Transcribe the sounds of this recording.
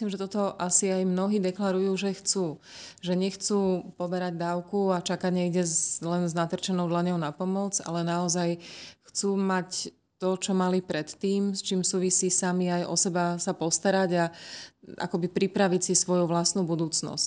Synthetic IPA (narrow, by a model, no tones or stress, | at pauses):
slimʒɛt̪ɔt̪ɔʔasiajmnɔɦiːd̪ɛklaɾujuːʒɛxt͡suːʒɛɲɛxt͡suːpɔbɛɾaɟd̪aːʊkuat͡ʃakaɟɲɛiɟɛlɛnznat̪r̩t͡ʃɛnɔʊd̪laɲɔʊnapɔmɔd͡za̰lɛnaɔzajxt͡suːmac | t̪ɔt͡ʃɔmalipɾɛt̪ːiːmst͡ʃiːmsuːʋisiːsamiajɔ̰sɛbasapɔst̪aɾaɟa | ʔa̰kɔbipɾipɾaʋicsisʋɔjuʋlasnubud̪uːt͡snɔ̰sc